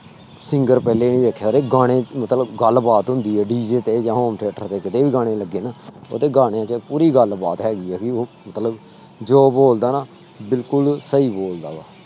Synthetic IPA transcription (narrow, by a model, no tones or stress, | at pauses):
sɪŋɡəɾpɛːleːnĩːʋeːkʰːjaːɾeːɡaːɽ̃ẽːmət̪ləbɡəlbaːt̪ɦʊ̃nd̪iːɦɛːɖiːd͡ʒeːt̪eːd͡ʒãːɦoːmʈʰeːʈəɾt̪eːkɪt̪eːʋiːɡaːɽ̃ẽːləɡːeːnaːo̰ːt̪eːɡaːɽ̃ejãːt͡ʃəpuːɾiːɡəlbaːt̪ɦɛːɡiːɛːkɪoːmət̪ləb | d͡ʒoːboːld̪aːnaː | bɪlkʊlsəiːboːld̪a̰ːɡaː